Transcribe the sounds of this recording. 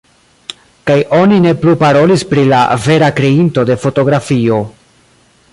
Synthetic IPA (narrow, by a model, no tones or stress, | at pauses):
kajo̞nine̞plupaɾo̞lispɾilave̞ɾakɾe̞into̞de̞fo̞to̞ɡɾafio̞